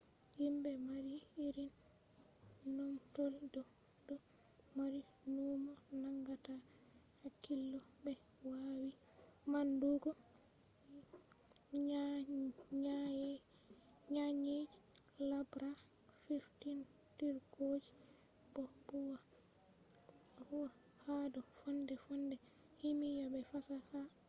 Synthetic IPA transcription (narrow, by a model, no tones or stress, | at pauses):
himbɛmaɾiiɾin | nɔntoldɔdɔmaɾinuːmɔnaŋɡatahakːilːɔbɛwawimanduɡɔ | a | ɲaj | ɲaɲelabɾafiftintiɾkoːd͡ʒi̥bɔbuwa | huwahadɔfɔndɛfɔndɛhimijabɛfasafa